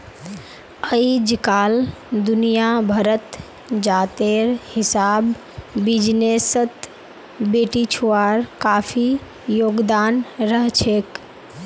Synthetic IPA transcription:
əid͡ʒkaːld̪unijabʱəɾət̪ | d͡ʒat̪eɾhɪsaːbː | id͡ʒnesət̪ | beːʈit͡ʃʰuaɾkapʰi | joɡd̪anɾəɦt͡ʃʰek

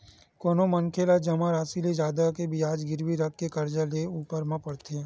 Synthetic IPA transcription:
koːnomɐŋkʰelad͡ʒɐmãɾaːsiled͡ʒaːd̪akebʱiaːd͡ʒɡɪɾwiɾɐk̚ːekɐɾd͡ʒaleuːpəɾmãpɐɽt̪ʰeː

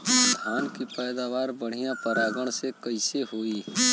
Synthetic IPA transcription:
d̪ʱaːnkipɛːd̪aːʋaːɾbəɽ̤ijãpɐɾaːɡəɽ̃sekɐɪseɦoːiː

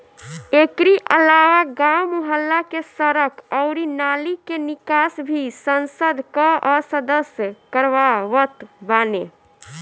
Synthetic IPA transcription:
ekɾiʔə̰lawaɡaumuɦəlːakesəɾəkɔʊɾinalikenikasbʱisənsəd̪ʱkəʔɔsəd̪əsjəkəɾʋaʋət̪bane

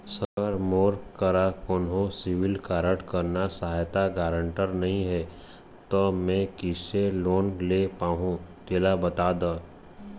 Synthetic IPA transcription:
səəɾmoːɾkəɾakoːnɦõsɪwɪlkaːɾəʈkəɾnasəɦaːjt̪aɡaːɾə̃ɳʈəɾnɐɦĩɦɛː | t̪omɛ̃kɪseloːnlepaːɦũt̪eːlabɐt̪aːd̪aː

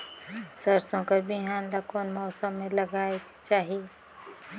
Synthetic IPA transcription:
sɐɾsõkɐɾbɪɦaːnlakɔːnmɔːsəmːẽlɐɡaːek | t͡ʃaːɦie

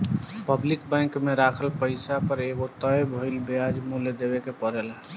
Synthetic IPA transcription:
pəblɪkbɛ̃ŋkmeɾakʰəlpəɪsapəɾeɡot̪əjbʱoɪlbead͡ʒmuled̪ebekepəɾɛlɦɛ

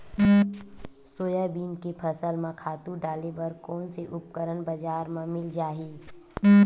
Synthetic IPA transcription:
soːjabiːnkepʰɐsəlmãkʰaːt̪ũɖaːlebɐɾkɔːnseʔʊp̚kəɾənbɐd͡ʒaːɾmãmɪld͡ʒaːɦiː

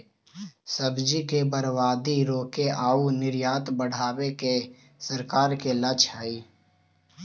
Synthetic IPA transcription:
səbd͡ʒikebəɾwaːd̪iɾoːkeʔaːunɪɾjaːt̪bəɽ̤aːweke | səɾkaːɾkelət͡ʃʰɦɛiː

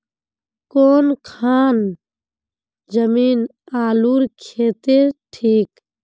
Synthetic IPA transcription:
koːnkʰaːn | d͡ʒəmiːn | aːluɾkʰeːt̪eɾʈʰiːk

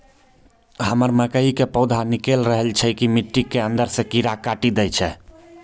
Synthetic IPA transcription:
ɦəməɾməkəikepəʊd̪ʱanikelɾəɦəlt͡ʃʰɛkimiʈːikːeənd̪əɾsẽkiɾakaʈid̪ɛt͡ʃʰɛ

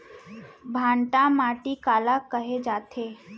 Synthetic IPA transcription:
bʱãːɳʈãmaːʈikaːlakəɦed͡ʒaːt̪ʰe

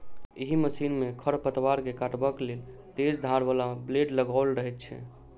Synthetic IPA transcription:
iɦiməsinmekʰəɾpət̪ʋaɾkekaʈbəkelel | t̪ed͡ʒd̪ʱaɾbalableɖləɡalɾəɦɛt̪̚t͡ʃʰɛ̰

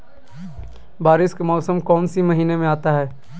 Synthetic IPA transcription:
baːɾɪskamɔːsəmkɔːnsimɐɦiːnemẽaːt̪aɦɛː

